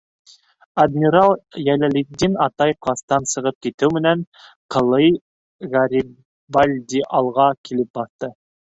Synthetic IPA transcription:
ad̪mʲiɾalˠjælælʲid̪inɑt̪ɑjqlˠɑst̪ɑnsɤ̆ʁɤp̚kit̪ɘwmɘ̆næn | qɤ̆lˠɤj | ʁaɾʲi | balʲd̪ʲiʔɑlˠʁɑkʰilɘp̚bɑθt̪ɤ

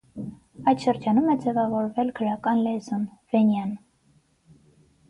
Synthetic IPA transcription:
ɑjt̪ʃəɾd͡ʒɑnumɛd͡zɛvɑvɔɾvɛlɡʰəɾɑkɑnlɛzunv̥ɛnjɑn

